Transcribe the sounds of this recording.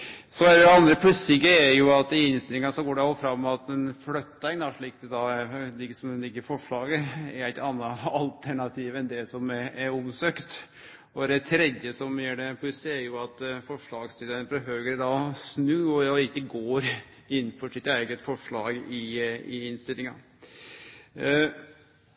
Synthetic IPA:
sɔɛɾɛɑnd̪ɾəpʰlʉsɪkːəɛɾjʊɑt̪ɪɪnst̪ɪlɪŋɑsɔɡoːɖɛɑlfɾɑmːɑt̪ɛnflœt̪ːɛŋd̪ɑʂɭiːk̚d̪ɛd̪ɑlɪɡsɔmlɪɡːəɾfɔʂɭɑːɡəɛɾæɪt̪ɑnːɑɑlt̪ʰæɳɑt̪ʰiːʋɛnd̪ɛsɔmɛɛɾʊmsøːkt̪ | ɔd̪ɛt̪ʰɾɛd̪jəsɔmjæːɖɛpʰɔɪseæɾjʊɑt̪fɔʂɭɑːɡst̪ʰiːd̪ənfɔɦøːɡəɾd̪ɑsnʉːɔɪkːəɡoːɾ | ɪnːfɔʂɪt̪æɪɡət̪fɔʂɭɑːɡɪɪɪnst̪ɪlɪŋɑ̰

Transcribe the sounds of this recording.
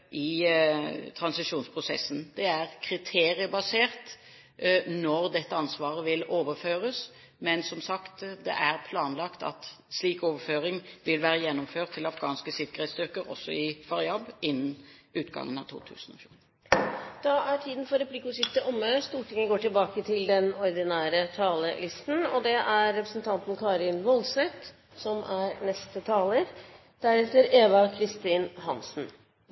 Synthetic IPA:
ʔɪ | t̪ʰɾɑnsɪʂuːnspʰɾʊsɛ̰sən̩d̪̥ɛæʁkʰɾɪt̪ʰeːɾɪəbɑseːʁt̪ | nɔɾd̪ɛt̪ːəɑnsʋɑːʁəʋɪloːʋəɾføːɾəs | mɛnsɔmsɑkt̪d̪ɛ̰ʔæʁpʰlɑːnlɑkt̪ɑ̰t̪ | sliːkoːʋəɾføːɾɪŋʋɪlʋæːɾəjɛnːɔmføːʈt̪ʰːɪlɑfɡɑːnskəsɪkəɾeːt̪st̪ʏʁkəɾɔ̰sːɔ̰ɪfɑɾjɑbɪnːənʉːt̪ɡɑ̰ŋənɑ̰t̪ʰṵːt̪ʰʉ̰ːsn̩ɔ̰ːçjuː | d̪̥ɑʔæʈʰiːd̪ən̩fɔɾɛpʰlɪkːʊsɪft̪əʔɔmːəst̪uːʈɪŋːəɡoːʈɪlbɑːkət̪ʰɪld̪ɛnɔɾd̪ɪnæːɾət̪ʰɑːləlʔɪst̪n̩ɔd̪ɛʔæɾːɛpɾəsənt̪ʰɑnt̪nkʰɑːɾɪnʋɔlsɛt̪ | sɔmʔæɾnɛst̪ət̪ʰɑːləɾ | d̪̥æɾɛt̪əɾeːʋɑkʰɾɪst̪iːnɦɑnsn̩

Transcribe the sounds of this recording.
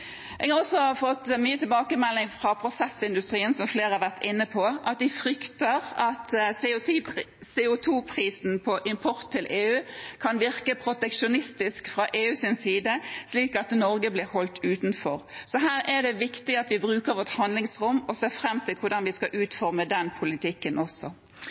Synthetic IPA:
ʔɛ̰ːɡhɑɾɔsɔfɔt̪ːmyːət̪ʰɪlbɑːkəmɛlːɪŋfʁɑpʰɾʊsɛsɪnd̪ʉst̪ʁiːənsɔmfleːʁhɑɾʋæʁt̪ʰɪnːəpʰɔʔɑt̪̚d̪ɪfɾʏkt̪əʁɑt̪ | seːʊt̪ʰuːpʰɾiːsn̩pʰɔʔɪmpʰɔɾt̪ʰːɪlʔeːʉːkʰɑnʋɪʁkəpʰʁʊt̪ɛkʃʊnɪst̪ɪskfʁɑʔeːʉːsɪnsiːd̪əsliːkɑt̪nɔɾɡəblɪhɔlt̪ʉːt̪nfɔɾsɔɦæːɾʔɛd̪ɛʋɪkt̪ɪɑt̪ʋɪbʁʉːkəɾʋɔʁt̪hɑnd̪lɪŋsɾʊmːɔseːfɾɛmːt̪ʰɪlkʰʊɾd̪ɑnʋɪskɑʔʉːt̪fɔɾməd̪ɛnpʰʊlɪt̪ʰɪkːənʔɔsːɔ

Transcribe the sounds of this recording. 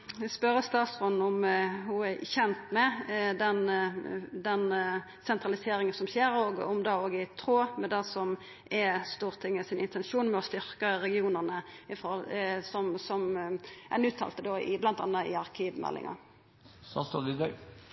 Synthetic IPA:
ʋspœɾəst̪ɑːt̪sʁɔnn̩ɔmhʊæçɛnt̪mɛd̪ɛn | d̪ɛn | sɛnt̪ʁɑlɪseːɾɪŋənsɔmçeːɾoːɡɔ̰md̪ɑːoːɡɪt̪ʰɾoːmɛd̪æsɔm | ʔɛst̪uːʁt̪ʰɪŋːəsɪnɪnt̪ʰɛnʃuːnmɛɔst̪ʏɾkəɾɛɡɪuːnəʁnəɪfɔʁhɔlsɔmsɔmʔæ̰nʉːt̪ʰɑ̰ːlt̪əd̪oːɪblɑnt̪ɑ̰nːɑɪ̰ɑʁkʰiːʋmɛ̰lːɪ̰ŋɑ̰ | sɑ̰st̪od̪ɪd̪œ

